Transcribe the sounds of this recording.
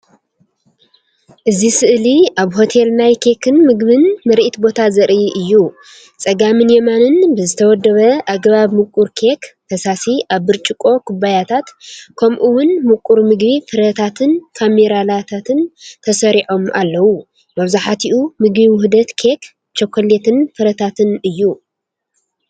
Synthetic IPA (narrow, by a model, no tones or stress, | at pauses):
ʔɨzisɨʔliaβho̞t̪ʰe̞lnajkʰe̞kʰɨnmɨɡβɨnmɐɾʔit̪bo̞t̪ʰazɐɾʔiʔɨjːu | t͡sʼɐɡamɨnjemanɨnbɨzɨt̪ʰɐwɔd̪ːɐβɐʔaɡβaβmɨkʼːuɾkʰektʰɐsasiʔaβːɨɾt͡ʃʼɪkʼo̞kʰʊbajat̪ʰat̪kʰɐmʔuwʊnmɨkʼːuɾmɨɡbifɨɾɐt̪ʰat̪ʰɨnkʰameɾalat̪ʰat̪ʰɨnt̪ʰɐsɐɾiʕo̞ma̰lːɐwu | mɐβzaħat̪ʰiʔumɨɡbimɦud̪ɐt̪kʰe̞k | t͡ʃʰokʰːolet̪ʰɨnfɨɾɐt̪ʰat̪ʰɨnɨjːu